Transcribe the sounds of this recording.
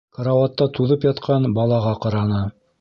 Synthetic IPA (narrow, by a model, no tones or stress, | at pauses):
kɐɾawat̪ːɑt̪uðɤpjɑt̪qʰɑnbɑlˠɑʁɑqɑɾɑnɤ